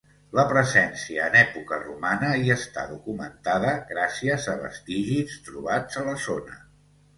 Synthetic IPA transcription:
ləpɾəzɛnsiəːnɛpukərumanəiəst̪a̰ðukumənt̪aðəɣɾasiəzəβə̰st̪iʒist̪ɾuβad͡zələzonə̰

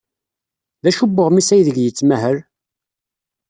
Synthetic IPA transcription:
ðæʃubːəʁmisæjðəɡjət͡sːmæɦəɾ

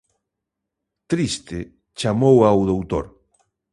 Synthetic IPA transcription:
t̪ɾist̪ɪ | t͡ʃamowawðowt̪o̰ɾ

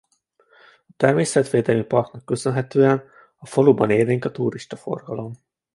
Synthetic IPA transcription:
ɒt̪ɛrmeːsɛt̪ʋeːd̪ɛlmipɒrk̪nɒkːøsø̞nɦɛt̪øːɛn | ɒfoluːbɒneːlneːŋkɒt̪uːɾiʃt̪ɒfo̞̰rɡɒlo̞m

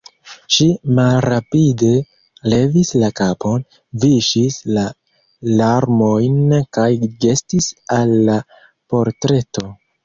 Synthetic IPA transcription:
ʃimalɾapide̞ | le̞vislakapʰo̞n | viʃisla | laɾmo̞jnkajɡe̞stisalːa | po̞ɾtɾe̞to

